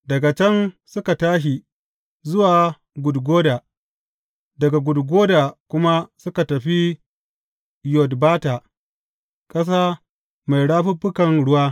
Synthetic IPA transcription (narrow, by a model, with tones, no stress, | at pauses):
dɐ˨ɡa˨t͡ʃɛ˦nsʊ˦ka˨taː˦ʃ̬i˨ | zʊ˦waː˨ | ɡʷʊ˨dɡʷoː˦daː˨ | dɐ˨ɡa˨ɡʷʊ˨dɡʷoː˦daː˨kʷʊ˦ma˦sʊ˦ka˨tɐ˨ɸi˦ | jɔ˨dbaː˦ta˨ | kʼɐ˦s̬aː˦ | ma˨jɽaː˦ɸʊ˦bʊ˦kɐ˨ŋɽʊ˦waː˦